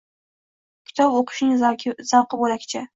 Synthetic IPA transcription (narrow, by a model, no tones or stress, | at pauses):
kʲʰɪ̥t̪ʰɒboqʰʊ̥ʃnɪŋʲz̥ɑqɨbolakʲt͡ʃʰɪ